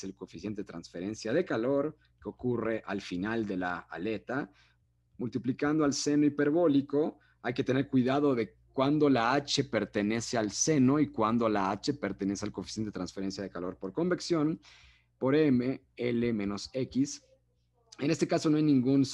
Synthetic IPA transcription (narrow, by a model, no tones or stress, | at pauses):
selkofisjent̪eet̪ɾansfe̞ɾe̞nsjaðe̞kalo̞ɾ | keo̞kure̞ʔalfinald̪e̞laa̰le̞t̪a | mult̪iplikand̪oalse̞no̞ipe̞ɾβo̞liko̞ | ajke̞t̪e̞ne̞ɾkwiðaðo̞ðe̞ | kwand̪o̞laat͡ʃe̞pe̞ɾt̪e̞ne̞sealse̞no̞ikwand̪o̞laat͡ʃe̞pe̞ɾt̪ene̞sealkofi̥sent̪e̞t̪ɾansfe̞ɾe̞nsjaðekalo̞ɾpo̞ɾko̞mbeksjo̞n | po̞ɾeme | ele̞mẽno̞sekis | e̞ne̞st̪e̞kasonoajnĩŋɡun